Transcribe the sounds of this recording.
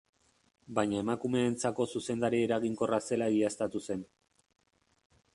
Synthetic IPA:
bajɲae̞makume̞ːnt͡sako̞suse̞nd̪aɾieɾaɣiŋko̞rase̞laɣiaest̪at̪use̞n

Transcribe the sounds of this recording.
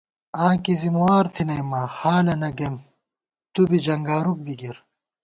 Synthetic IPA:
ãːkizimwaːɾt̪ʰinɐjmahaːlɐnɐɡem | t̪ubid͡ʑɐŋɡaːɾuk̚biɡiɾ

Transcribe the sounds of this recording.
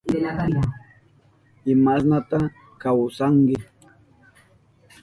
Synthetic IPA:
ɪmasnat̪a | kawsaŋɡɪ

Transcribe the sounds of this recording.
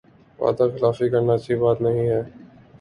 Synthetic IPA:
ʋa̰ːd̪axɪlaːfikɐɾnat͡ʃibaːt̪nɐɦĩɦɛː

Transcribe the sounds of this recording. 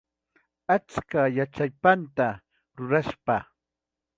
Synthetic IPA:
at͡skajat͡ʃajpant̪a | ɾʊɾaʃpa

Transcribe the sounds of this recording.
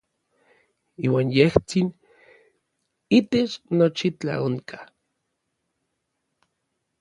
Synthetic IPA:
iːwaːnjeht͡sin | it̪et͡ʃnot͡ʃit͡ɬa̰oŋkḁ

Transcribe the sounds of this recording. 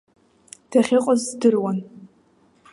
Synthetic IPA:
d̥aχʲɪqʼazdɨrwan

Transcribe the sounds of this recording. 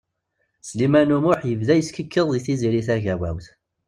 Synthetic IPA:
slimænumʊħjəvðæjəskəkːəðˤðiθiziɾiθæʝæwæ̰wθ

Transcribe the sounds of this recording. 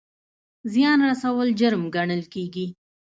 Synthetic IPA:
zjɑnɾasawəld͡ʒʊɾmɡaɳəlkeɡi

